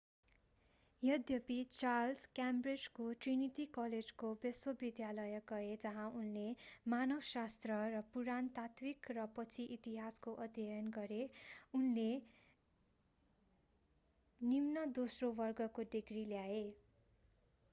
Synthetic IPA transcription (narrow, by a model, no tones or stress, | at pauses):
jʌd̪ʱjʌpit͡sarlskjamred͡zkoʈriniʈikʌled͡zkobeswʌbid̪jalʌjʌɡʌed͡zʌɦãunlemanʌwsast̪rʌrʌpuɾant̪at̪wikrʌpʌt͡sʰiʔit̪iɦaskoʔʌd̪jʌjʌnɡʌɾeunle | nimnʌd̪osrowʌrɡʌkoɖiɡriljae